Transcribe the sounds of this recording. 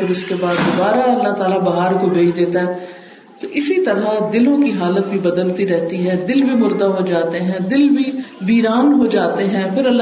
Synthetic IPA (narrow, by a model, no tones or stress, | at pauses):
ɪɾɪskebaːd̪ːʊbaːɾaɐlːaːt̪aːlabɐɦaːɾkobʱeːd͡ʒd̪eːt̪aɦɛ | t̪oʔɪsit̪ɐɾad̪ɪlõkiɦaːlət̪̚bʱibɐd̪əlt̪iɾɛɦt̪iɦɛd̪ɪlbʱimʊɾd̪aɦod͡ʒaːt̪eɦɛ̃d̪ɪlbʱiʋiːɾaːnɦod͡ʒaːt̪eɦɛ̃pʰɪɾɐlː